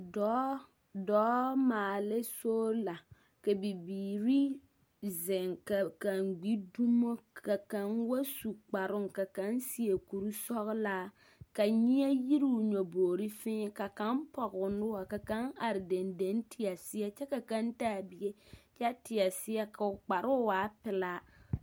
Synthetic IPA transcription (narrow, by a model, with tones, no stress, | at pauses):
dɔ˨˦ | dɔː˨˦maː˨lɪ˦soː˦la˨ | ka˨bi˨biː˨ɾi˦ | zɪ˨ŋka˨ka˨ŋɡ͡bi˦du˦mo˦ka˨ka˨˦nwa˦su˨k͡pa˨ɾʊ˦ŋka˨ka˨˦nsi˦e˨ku˨ɾu˦sɔ˦ɣlaː˦ | ka˨ɲi˦ɛ˦ji˦ɾi˦˨ɲo˨boː˨ɾi˦fɪ˦ka˨ka˦mpɔ˨ɣʊ˨nɪ˦wa˨ka˨ka˦ŋa˨ɾɪ˨de˨nde˨˦ntʰɪ˨ja˨sɪ˦ɛ˦t͡ʃɛ˦ka˨ka˦ntaː˦˨bi˦je˦t͡ʃɛ˦tɪ˨ja˨sɪ˦ja˦ka˨ʊ˨k͡pa˨ɾʊ˦waː˨˦pɪ˨la˦